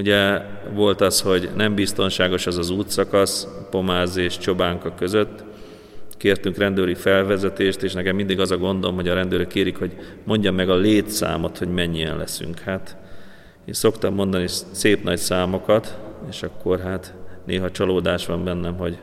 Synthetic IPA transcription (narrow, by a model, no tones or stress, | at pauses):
uɟɛvo̞lt̪ɒsho̞ɟnɛmbist̪o̞nʃaːɡo̞ʃɛzɒzuːt̪sɒkɒspo̞maːzeːʃt͡ʃo̞baːŋkɒkø̞zø̞t̪ː | keːrt̪yŋkrɛnd̪øːɾifɛlvɛzɛt̪eːʃt̪eːʃnɛkɛmːind̪iɡɒzɒɡo̞nd̪olomɦo̞ɟɒɾɛnd̪øːɾøkːeːɾikho̞ɟmo̞ɲɟɒmːɛɡɒleːt̪sa̰ːmo̞t̪ho̞ɟmɛɲːiɛ̰nlɛ̰sy̰ŋkhaːt̪ | eːnso̞kt̪ɒmːo̞nd̪ɒniseːpnɒcsaːmo̞kɒt̪eːʃɒkːo̞rɦaːt̪nʔeːɦɒt͡ʃɒloːd̪aːʃʋɒmbɛnːɛmɦo̞ɟ